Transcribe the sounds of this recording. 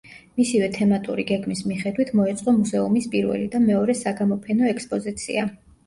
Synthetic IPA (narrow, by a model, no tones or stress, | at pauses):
misivɛt̪ʰɛmat̪ʼṵɾiɡɛɡmismiχɛd̪wit̪ʰmɔɛt̪sʼqʼɔmuzɛumispʼiɾvɛ̰lid̪amɛɔɾɛsaɡamɔpʰɛnɔɛkspʼɔzit̪sʰḭa